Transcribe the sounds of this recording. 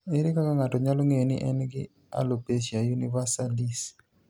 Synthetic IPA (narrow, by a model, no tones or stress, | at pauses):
eɾekakaŋatɔɲalɔŋejonɪ̰ʔɛnɡɪ | a̰lopeʃiajunivasalis